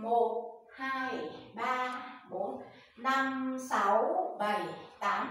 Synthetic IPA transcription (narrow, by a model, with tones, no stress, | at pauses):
mo˨˩t̚ | haː˧jɓaː˧ɓo˨˦n | na˧msa˨˦wɓə˨˩jt̪aː˨˦m